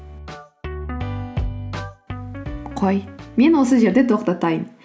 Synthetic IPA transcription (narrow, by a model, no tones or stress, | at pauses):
qʰojme̞nwo̞s̬əʒe̞ɾd̪e̞t̪ʰo̞qt̪ɑt̪ɑjəm